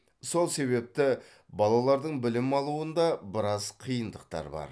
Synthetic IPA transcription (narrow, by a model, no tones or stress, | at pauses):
so̞lˠse̞βe̞p̚t̪ɪ | bɑlˠɑlˠɑɾd̪əɴbɪlɪmɑlˠuənd̪ɑbɪɾɑzqʰijənd̪əq̚t̪ɑ̰ɾbɑ̰ɾ